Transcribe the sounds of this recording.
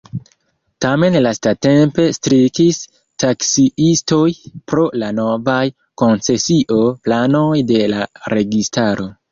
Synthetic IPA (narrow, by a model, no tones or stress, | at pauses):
tame̞nlastate̞mpe̞stɾikis | taksiisto̞jpɾo̞lano̞vaj | ko̞nt͡se̞siʔo̞plano̞jde̞laɾe̞ɡistaɾʔo̞